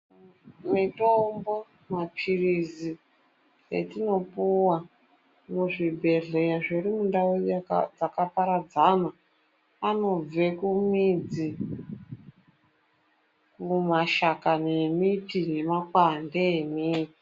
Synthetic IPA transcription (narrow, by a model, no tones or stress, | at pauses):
mitombo̞ | mapʰirizi | ḛtino̞puwa | muʐibʱe̞ɮejaʐirimundawud͡zakapaɾad͡zana | ano̞b͡ve̞kumid͡zi | kumaʃakane̞mitine̞makwandeːmiːi